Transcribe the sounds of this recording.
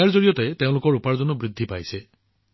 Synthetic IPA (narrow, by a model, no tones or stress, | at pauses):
aɹzoɹijɔtet̪eʊ̃lʊkɔɹupaɹzɔnubɹid̪ʱːipajse